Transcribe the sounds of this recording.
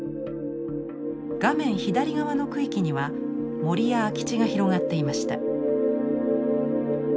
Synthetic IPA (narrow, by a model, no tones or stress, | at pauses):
ɡ̥amẽ̞ɰ̃çid̪aɾʲiɡaβano̞kɯ̟ikʲiɲ̟iβa | mo̞ɾʲijakʲi̥t͡ɕiɡaçiɾo̞ɡat̪ːe̞imaɕi̥t̪a̰